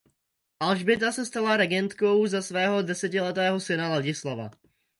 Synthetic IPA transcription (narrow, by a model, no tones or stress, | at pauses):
ʔalʒbɪt̪asɛst̪alaɾɛɡɛnt̪ko̞wzasvɛːɦo̞dɛsɛcɪlɛt̪ɛːɦo̞sɪnalaɟɪslava̰